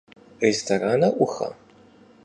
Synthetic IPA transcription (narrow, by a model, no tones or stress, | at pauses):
restʰɐraːnɐʔʷʊxɐ̰